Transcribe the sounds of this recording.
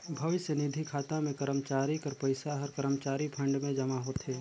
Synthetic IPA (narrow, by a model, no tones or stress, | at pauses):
bʱɐʋɪʃənɪd̪ʱikʰaːt̪ãmẽkəɾəmt͡ʃaːɾikɐɾpɐɪsaɦɐɾkəɾəmt͡ʃaːɾipʰɐ̃ɳɖmẽd͡ʒɐmaɦot̪ʰeː